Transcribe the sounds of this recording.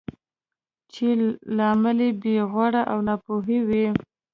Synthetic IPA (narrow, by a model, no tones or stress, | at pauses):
t͡ʃelɑməlebeɣwaɽaʔawnɑpoɦewi